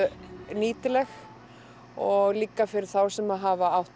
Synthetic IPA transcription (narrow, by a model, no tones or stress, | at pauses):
niːt̪ɪlɛx | ɔɣliːkafɪɾɪɾ̥θawsɛmaðɦaːvaawht̪